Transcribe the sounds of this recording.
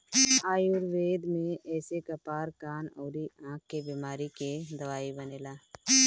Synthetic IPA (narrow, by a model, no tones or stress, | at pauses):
aːjuɾʋeːd̪mẽɛːsekɐpaːɾkaːnɔːɾiãːk̚ːebiːmaːɾiked̪ɐʋaːibəneːlaː